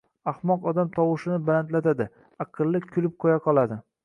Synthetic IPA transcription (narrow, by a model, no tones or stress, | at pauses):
ahmɒqɒd̪amt̪ʰɒwɪʃɪnɪbalant̪lat̪ad̪ɪ | ɑqʰɨlˠːɪkʲʰʊlɪp̚qʰojaqʰɒlˠad̪ɪ